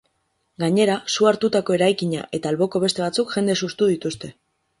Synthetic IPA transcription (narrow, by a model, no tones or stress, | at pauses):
ɡaɲe̞ɾasuaɾt̪ut̪ako̞e̞ɾajkiɲa̰ʔe̞t̪aːlβo̞ko̞β̞e̞st̪e̞β̞at͡sukʝ̥e̞nd̪e̞sust̪uðit̪ust̪e̞